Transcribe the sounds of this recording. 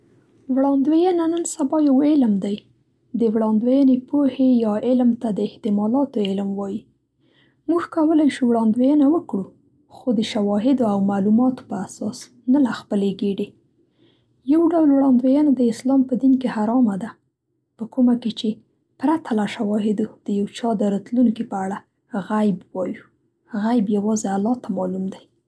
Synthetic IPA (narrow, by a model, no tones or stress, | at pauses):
wɽɑnd̪wejənanənsabɑjawɪlmd̪aj | d̪əwɽɑnd̪wejənepohejɑɪlmt̪ad̪əɪht̪ɪmɑlɑt̪oɪlmwɑji | muɡkawəlajʃuwɽɑnd̪wejənawəkɽu | xod̪əʃawɑɦɪd̪oawmalumɑt̪o̥pəasɑs | nalaxpəleɡeɽe | jawɖawlwɽɑnd̪wejənad̪əɪslɑmpəd̪inkehaɾɑmad̪a | pəkumaket͡ʃe | pɾat̪ʰalaʃawɑɦɪd̪od̪̥əjawt͡ʃɑd̪əɾɑt̪luŋkipəaɽa | ɣajbwɑju | ɣajbjawɑzealɑt̪amɑlumd̪aj